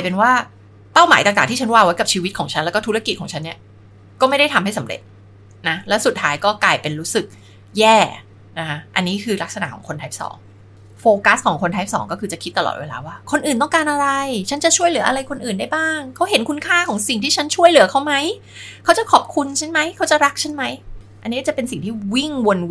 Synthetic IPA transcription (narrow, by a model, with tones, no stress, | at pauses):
jpe˧nwaː˥˩ | pa˥˩wmaː˩˦jt̪a˨˩ŋt̪aː˨˩t̪ʰiː˥˩t͡ɕa˦˥nwaː˧wa˦˥jka˨˩p̚t͡ɕʰiː˧wi˦˥kʰɔː˩˦ŋt͡ɕʰa˦˥lɛː˧˦˥kɔː˥˩t̪u˦˥ɾa˧˩ki˨˩t̪̚kʰɔː˩˦t͡ɕʰa˦nːi˥˩ɐ | kɔː˥˩ma˥˩jda˥˩jt̪ʰa˧mha˥˩jsa˩˦mɾḛ˨˩t̪̚ | na˦˥lɛː˦˥wsu˨˩t̪ʰːaː˦˥jkɔː˥˩klaː˧jpe˧nɾuː˦˥sɯ˨˩k̚ | jɛː˥˩ | na˦kʰa˦˥ʔa˧nːiː˦˥kʰɯː˧la˦˥k̚sa˧na̰˨˩ʔkɔ̰ː˩˦ŋkʰo˧nt̪ʰa˦˥p̚sɔ̰ː˩˦ŋ | foː˧ka˦˥skʰɔː˩˦ŋkʰo˧nt̪ʰa˦˥p̚sɔ̰ː˩˦ŋkɔː˥˩kʰɯː˧t͡ɕa˨˩kʰi˦˥t̪ːa˧lɔ̰ː˨˩t̪weː˧la̰ː˧waː˥˩kʰo˧nʔɯː˨˩nt̪ɔ˥˩ŋkaː˧nʔa˧ɾa˧jt͡ɕʰa˦˥nt͡ɕa˨˩ʔt͡ɕʰu˥˩əjlɯ˨˩˦ɐʔa˧ɾa˧jkʰo˧nʔɯː˨˩nda˥˩jbaː˥˩ŋkʰa˦˥wɦe˨˩˦nkʰu˧nkʰaː˥˩kʰɔː˨˩˦ŋsi˨˩ŋt̪ʰiː˥˩t͡ɕʰa˦˥nt͡ɕʰu˥˩əjlɯ˨˩˦kʰa˦˥wma˦˥j | kʰa˦˥wt͡ɕa˨˩kʰɔ˨˩p̚kʰu˧nt͡ɕʰa˥˩nma˦˥jkʰa˦˥wt͡ɕa˨˩ɾa˦˥k̚t͡ɕʰa˦˥nma˦˥j | a˧nːiː˦˥kːt͡ɕpe˧nsi˨˩ŋt̪ʰiː˥˩wi˥˩ŋwo˧n